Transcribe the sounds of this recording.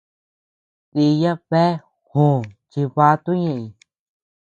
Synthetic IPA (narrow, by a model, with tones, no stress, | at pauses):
ti˧jã˦βe˦ | hũ˨t͡ʃi˧βa˦t̪u˦ɲẽ˧˨ĩ˧˨